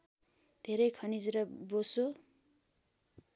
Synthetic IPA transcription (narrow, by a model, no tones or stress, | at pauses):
d̪̥ʱeɾʌjkʰʌnid͡zɾʌboso